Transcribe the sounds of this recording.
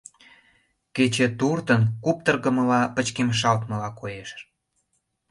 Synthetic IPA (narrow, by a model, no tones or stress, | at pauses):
ket͡ɕĕt̪urt̪ənkup̚t̪ərɣəməlɑpət͡ɕkemʃ̬ɑlt̪məlɑkojeʃ